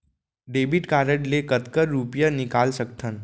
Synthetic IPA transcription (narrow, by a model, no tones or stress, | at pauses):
ɖeːbɪʈkaːɾəʈlekət̪kəɾːupjanɪkaːlsək̚t̪ʰən